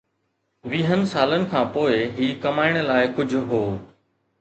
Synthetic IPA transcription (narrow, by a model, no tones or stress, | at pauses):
ʋiːɦənɪ̆saːlənɪ̆kʰãːpoːɪɦiːkɐmaːɪɽ̃̆laːɪkʊd͡ʑʱʊɦoː